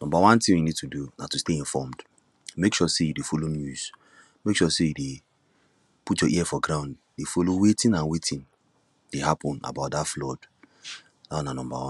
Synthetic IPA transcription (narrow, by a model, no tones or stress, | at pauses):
nɔ̃mbawãntĩwinid̚tʰudunatusteĩɱfɔmd | mekʃɔsejudefolonjuz̥ | mekʃɔsejude | putjɔʔiɛfɔɡɾãʊ̃nd | defolowetĩnãnwetʰĩn | d̥ehapɔ̃na̰baʊt̚datflɔd | nananɔ̃mba̰wãn